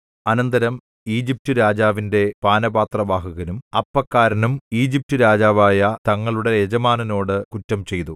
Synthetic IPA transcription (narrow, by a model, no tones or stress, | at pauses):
ɐnɐnd̪ɐɾɐm | iːd͡ʑip̚tɨɾaːd͡ʑaːʋinde̞paːnɐbaːt̪rɐbaːɦɐɣɐnumɐpːɐkːaːɾɐnumiːd͡ʑip̚tɨɾaːd͡ʑaːʋaːjɐt̪ɐŋːɐɭuɽe̞ed͡ʑɐmaːnɐno̞ːɽɨkutːɐmt͡ɕe̞jt̪u